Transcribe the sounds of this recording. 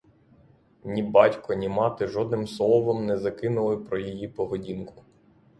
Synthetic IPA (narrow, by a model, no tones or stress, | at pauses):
nʲibɑtʲkɔnʲɪmɑt̪ɪʒɔd̪nɪmslˠɔɔʋɔmnɛzɐkɪnʊlˠɪpɾɔjijipɔɦɔdʲinkʊ̥